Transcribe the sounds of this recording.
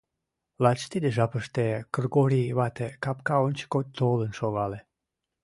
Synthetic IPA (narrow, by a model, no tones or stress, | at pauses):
lɑt͡ɕt̪id̪eʒɑpəʃt̪ekərɡoɾiβɑt̪ekɑpkɑonʲt͡ɕə̥kot̪̚ʲt̪olənʃoɣɑle